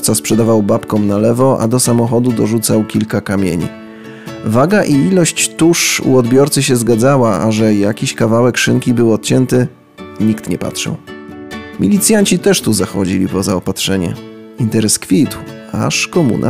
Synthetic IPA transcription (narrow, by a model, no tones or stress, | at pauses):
t̪saspʂɛd̪avawbapkɔmnalɛvɔʔa̰d̪ɔsamɔxɔd̪ud̪ɔʐut̪sawkʲilkakamʲjḛɲḭ | vaɡaʔiilɔɕt͡ɕt̪uʂṵɔd̪bʲjɔɾt̪sɘɕ̬ɛzɡad̪zawaaʐɛjakʲiɕkavawɛkʂɘŋkʲibɘwɔt̪̚t͡ɕɛnt̪ɘ | ɲikt̪ɲɛpa̰tʂɛ̰w | mʲilʲit̪sʲjaɲt͡ɕit̪ɛʂt̪uzaxɔd͡ʑilʲipɔzaɔpat̪ʂɛɲɛ̰ | int̪ɛɾɛskfʲit̪wa̰ʂkɔmṵnʔa̰